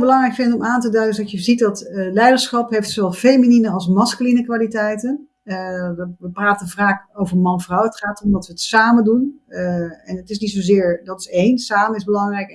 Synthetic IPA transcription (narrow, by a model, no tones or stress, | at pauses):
lˠbəlɑŋrɛjkfɪndəɔmaːntədœɥdədɑtjəzit̚dɑtlɛjdəɹsχɑpɦejftsoʋɛlˠvejmininənɑlˠsmɑskylinəkʋaːlitɛjtən | ʋəʋəpraːtənvraːχowvəɹmɑnvrɔwətχaːtɔmdɑtʋəətsaːməndun | ɛnətɪsnitsozɪːɹdɑtɪ̥sejnsaːməɪzbəlɑŋrɛjk